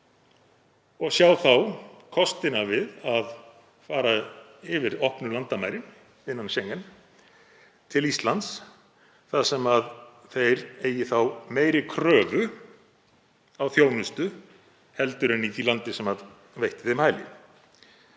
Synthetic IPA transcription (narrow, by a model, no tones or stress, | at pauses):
ɔɣsjawθawkʰɔst̪ɪnavɪðað | faːɾaɪvɪɾɔhpnʏlant̪amaːjɾɪn | ɪnːanɕejŋːan | t̪ʰɪlist̪lant̪s | θaðsɛmaðθejɾeːjɪθawmeːjɾɪkʰɾœːvʏ | awθjoːwnʏst̪ʏ | hɛlt̪ʏɾɛnːiːt̪ilant̪ɪsɛmað | vejht̪ɪ̥θemhaːjlɪ̰